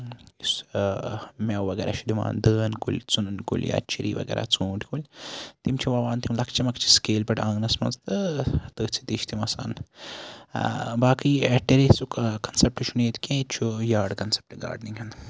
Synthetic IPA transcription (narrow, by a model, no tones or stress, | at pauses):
is | mewʋɐɡḛɾa̰ʃid̪ima̰ːnd̪əːnkulʲt͡sunɨnkṵlʲja̰t͡ʃʰiɾḭːʋɐ̰ɡḛɾa̰t͡sũːʈi̥kulʲt̪imt͡ʃʰiʋɐʋaːnt̪imlɐkt͡ʃʰimɐkt͡ʃʰi̥skeːlpɐʈãːŋnɐsmɐnzt̪ɨt̪əːt͡sʰit̪iʃt̪imɐsa̰ːn | baːkiɐʈeɾesukkɐnsep̚ʈʃʰuneːt̪kʲẽːt͡ʃʰujaːɖkɐnse̥p̚ʈɡa̰ːɾɖniŋɦɐn